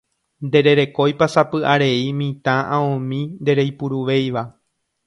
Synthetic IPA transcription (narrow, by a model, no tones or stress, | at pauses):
nd̪e̞ɾe̞ɾe̞ko̞jpasapɨʔaɾe̞imĩt̪ãʔãõmĩnd̪e̞ɾe̞jpuɾuʋe̞jʋa